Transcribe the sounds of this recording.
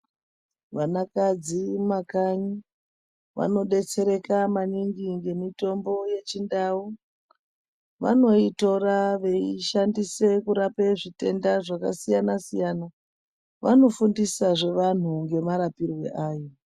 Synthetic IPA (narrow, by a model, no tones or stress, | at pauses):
ʋanakad͡zimakaɲi | ʋa̰no̞ɗe̞t͡se̞ɾe̞kamaniŋɡiŋɡe̞mito̞mbo̞je̞t͡ʃindau | ʋa̰no̞ito̞raʋe̞iʃandise̞kuɾape̞ʐite̞ndaʐakasijanasijana | ʋa̰no̞fundisaʐe̞ʋan̤uŋɡe̞maɾapirwe̞̰ʔaːjo